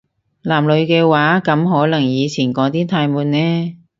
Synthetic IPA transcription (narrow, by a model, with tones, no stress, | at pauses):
laː˨˩mlɵ˨˧ɥkɛː˧waː˨˥kɐ˨˥mɦɔː˨˥lɐ˨˩ŋjiː˨˧t͡sʰiː˨˩nkɔː˨˥t̪iː˥t̪ʰaː˧jmuː˨˧nːɛː˥